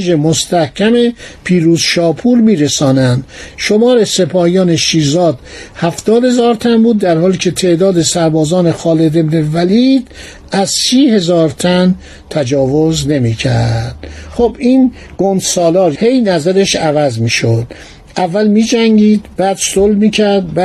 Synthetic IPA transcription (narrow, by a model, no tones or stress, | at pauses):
d͡ʒemost̪æhcʲʰæmepʰiːɾuːzʃɒːpʰuːɾmiːɾesɒːnænd̪̥ʃo̞mɒːɾesepʰɒːjɒːneʃiːzɒːd̪̥hæft̪ɒːd̪he̞zɒːɾt̪ʰænbuːd̪ːæɾhɒːliːcʰe̞t̪ʰeːd̪ɒːd̪e̞sæɾbɒːzɒːnexɒːle̞d̪e̞bnevæliːd̪ | æzsiːhe̞zɒːɾt̪ʰæn | t̪ʰæd͡ʒɒːvozne̞miːcʰæ̰ɾd̪̥xobiːn | ɡ̥ond̪sɒːlɒːɾhe̞jnæzæɾeʃævæzmiːʃod̪̥ | ʔævːælmiːd͡ʒæŋɡiːd̪bæːd̪solmiːcʰæɾd̪b